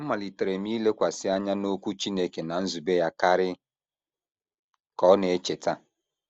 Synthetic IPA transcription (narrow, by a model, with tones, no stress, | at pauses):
ma˨li˨te˨ɾe˨mi˦le˦kʷa˨sɪ˦a˦ɲa˦no˦kʷu˦t͡ʃi˦ne˦ke˨na˨n̩˦zu˨be˦ja˦ka˦ɾɪ˦ | kɔ˨˦ne˨e˦t͡ʃe˨ta˦